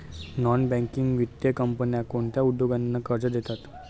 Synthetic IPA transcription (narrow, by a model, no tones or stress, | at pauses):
nɔnbɛ̃ŋkiŋɡʋit̪jəkəmpənjakoɳt̪jaud̪joɡanːakəɾt͡ɕəd̪et̪at̪